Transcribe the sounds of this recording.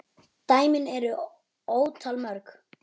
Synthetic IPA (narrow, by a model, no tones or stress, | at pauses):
t̪aːjmɪnɛɾʏ | oːwt̪ʰalmœɾk